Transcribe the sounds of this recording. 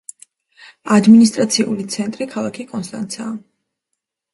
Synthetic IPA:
ad̪minis̬t̪ʼɾat̪sʰiṵlit̪sʰɛnt̪ʼɾikʰalˠakʰikʼɔnst̪ʼa̰nt̪sʰaː

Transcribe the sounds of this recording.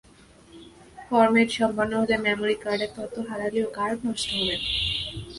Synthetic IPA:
fɔɾmeɾʃɔmbʱɔnːoɦot̪emɛmoɾikaɾɖeɾt̪ɔt̪ːoɦaɾaliokaɾbʱɔʃʈoɦolen

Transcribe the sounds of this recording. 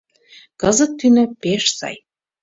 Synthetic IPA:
kɤzɤ̆t̪ːynø̆peʃsɑ̰j

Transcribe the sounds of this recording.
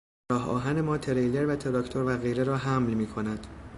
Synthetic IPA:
ɾɒːɦɒ̰ːɦænemɒːt̪ʰeɾejle̞ɾvæt̪ʰeɾɒkt̪ʰo̞ɾvæɣejɾeɾɒːɦæmlmiːkʰo̞næd̪̥

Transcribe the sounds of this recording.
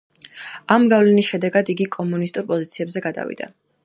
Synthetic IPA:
amɡavlɛnisʃɛd̪ɛɡad̪iɡikʼɔmunist̪ʼuɾpʼɔzit̪sʰiɛbzɛɡad̪a̰vḭd̪a̰

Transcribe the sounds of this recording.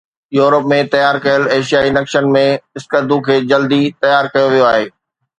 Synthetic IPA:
juːɾəpmẽt̪ɐjaːɾkɐjəleːʃijaːinɐkʃənmẽɪskəd̪ʱũkʰeːd͡ʑɐld̪it̪ɐjaːɾkɐjoʋijoaːɦeː

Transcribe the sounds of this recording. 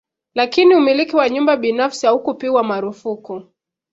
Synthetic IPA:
lakiniumilikiwaɲumbaɓinafsihahukupiwamaɾufuku

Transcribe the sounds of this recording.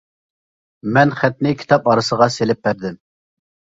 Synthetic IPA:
mɛnχæt̪̚nɪkʲʰi̥t̪ʰɑpɑɾɨsəʁɑselɪp̚bæɾd̪ɪm

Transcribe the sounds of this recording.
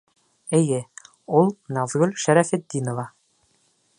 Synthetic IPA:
ɘ̆jɘ | ulˠnɑðɣɵlʲʃæɾæfɘt̪ːinŏvɑ

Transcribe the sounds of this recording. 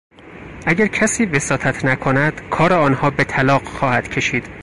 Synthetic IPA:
ʔæɟæɾcʰæsiːvesɒːt̪ʰæt̪ʰnækʰonæd̪̥kʰɒːɾeɒːnhɒːbe̞t̪ʰælɒːɢxɒːhæd̪̥cʰe̞ʃiːd̪̥

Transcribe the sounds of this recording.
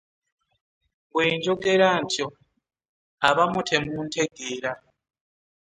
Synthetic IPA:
weːnd͡ʒɔɡʼɛɺantʰjɔ | aβamutʰemuntʰeɡeːɺa

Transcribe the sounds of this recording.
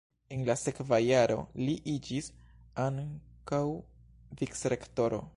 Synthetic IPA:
enlase̞kvajaɾo̞̰liʔid͡ʒisaŋkaw | viksɾe̞kto̞ɾo̞̰

